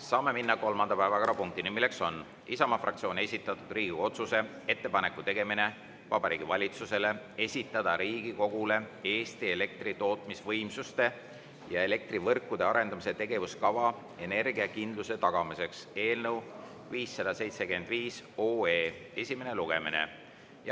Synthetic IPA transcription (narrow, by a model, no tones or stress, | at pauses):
sɑːme̞minːɑko̞lmɑnd̪ɑpæevɑkɑɾɑpuŋk̚t̪inimile̞kso̞n | isɑmɑfrʔɑkt̪sio̞ːne̞sʲit̪ːˑɑt̪ːˑud̪̥riːɡio̞t̪suse̞ | e̞t̪ːe̞pɑne̞kːˑut̪e̞ɡ̥e̞mine̞ | vɑbɑɾiːɡ̥ivɑlʲit̪suse̞le̞ | e̞sʲit̪ːˑɑd̪̥ɑɾiːɡiko̞ɡ̥ule̞e̞ːst̪ie̞le̞k̚t̪rit̪o̞ːt̪ˑmisvɤjmsust̪e̞ | jɑe̞le̞k̚t̪rivɤrkːˑud̪̥e̞ɑɾe̞nd̪ɑmise̞t̪e̞ɡ̥e̞vuskɑvɑ | e̞ne̞rɡiɑkind̪luse̞t̪ɑɡ̥ɑmise̞kse̞ːlnew | viːsːɑd̪ɑse̞jt̪se̞kyend̪̥viːsoːeːe̞sʲime̞ne̞luɡ̥e̞minḛ | j